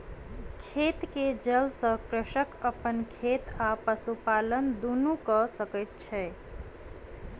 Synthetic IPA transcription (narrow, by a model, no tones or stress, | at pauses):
kʰet̪ked͡ʒəlsə̃kɾəʃəkəpənkʰet̪apəsupalənd̪unukəsəkət̪̚t͡ʃʰɛ